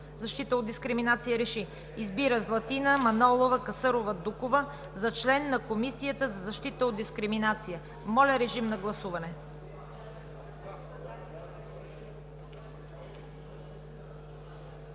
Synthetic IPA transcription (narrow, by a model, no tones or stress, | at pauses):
zɐʃt̪it̪əod̪d̪iskɾiminat̪sijəɾɛʃi | izbiɾəzlˠɐt̪inəmɐnɔlˠovəkɐsɤɾovəd̪ukovə | zɐt͡ʃlɛnːɐkomisijət̪əzɐzɐʃt̪it̪əod̪d̪iskɾiminat̪sijə | mɔlʲəɾɛʒimnɐɡlˠɐsuvɐnɛ